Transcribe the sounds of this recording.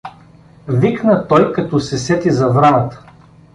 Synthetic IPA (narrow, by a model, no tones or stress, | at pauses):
viknət̪ɔjkɐt̪ɔsɛsɛt̪izɐvɾanət̪ə̥